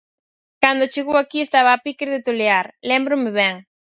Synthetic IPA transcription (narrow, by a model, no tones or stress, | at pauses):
kand̪ot͡ʃeɣowakiest̪aβaːpikeɾðet̪oleaɾlɛmbɾʊmeβɛŋ